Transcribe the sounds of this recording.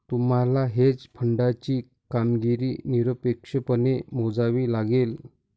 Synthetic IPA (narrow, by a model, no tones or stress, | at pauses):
t̪um̤alaɦed͡zpʰəɳɖat͡ɕiː | kamɡiɾiːniɾəpekʂəpənemod͡zaʋilaɡel